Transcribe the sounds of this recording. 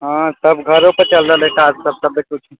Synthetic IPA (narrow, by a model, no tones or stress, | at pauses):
ɦãsəbɡʱəɾopəɾt͡ʃəlɾəlẽkad͡ʒsəb̚səbdekut͡ʃʰ